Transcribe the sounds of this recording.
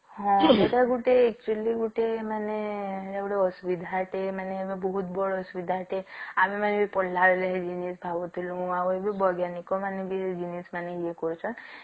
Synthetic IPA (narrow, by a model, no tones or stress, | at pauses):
ɦɔ̃eʈaɡuʈeek̚t͡ʃueliɡuʈemaneɾaɡuɽeɔsubid̪ʱaʈemaneebebɔɦut̪bɔɽɔɔsubid̪ʱaʈeamimanebipɔlːaɾeleɦed͡ʒinisbʱabɔt̪ʰilũawebibɔɡjanikɔmanebid͡ʒinismaneiekɔɾt͡ʃʰɔn